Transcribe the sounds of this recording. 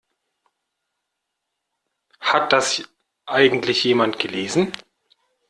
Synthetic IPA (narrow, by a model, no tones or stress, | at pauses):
hat̚d̥as | ʔaɪɡŋ̩tlɪçjeːmantɡ̥əleːzn̩